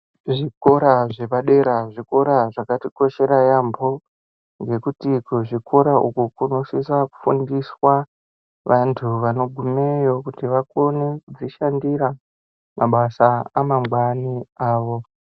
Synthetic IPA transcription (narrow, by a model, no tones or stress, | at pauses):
ʐiko̞ɾaʐe̞paɗe̞ɾaʐiko̞ɾaʐakatiko̞ʃe̞ɾajambo̞ | ŋɡe̞kutikuʐikʰo̞ɾaʔṵkukuno̞sisaku̥fundiswa | ʋantʰuʋano̞ɡʱumejo̞kutiʋakonekud͡ziʃandiɾa | mʔaɓasaamamɡwaniaːʋo̞